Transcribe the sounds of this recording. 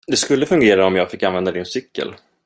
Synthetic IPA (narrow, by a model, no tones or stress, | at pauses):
d̪ɛskɵlːəfɵŋɡeːɾaɔmjɑːɡfɪkːanvɛnd̪ad̪ɪnsʏkːə̰l